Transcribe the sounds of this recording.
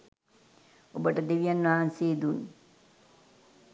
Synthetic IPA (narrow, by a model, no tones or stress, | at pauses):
obəʈəd̪eʋijanʋaɦanseːd̪un